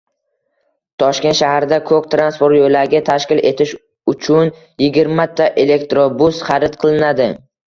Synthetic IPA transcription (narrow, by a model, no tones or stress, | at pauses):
t̪ʰɒʃkʲe̞nt̪ʃahaɾd̪akʰɵk̚ʲt̪ɾanspo̞ɾt̪jojlaɾɡʲat̪ʰaʃkʲɪle̞t̪ʰɪʃ | ʊt͡ʃʰʊn | jɪɡʲɪɾmat̪ʰːaʔe̞le̞k̚t̪ɾobʊsχaɾɪt̪̚qʰɨlˠɪnad̪ɪ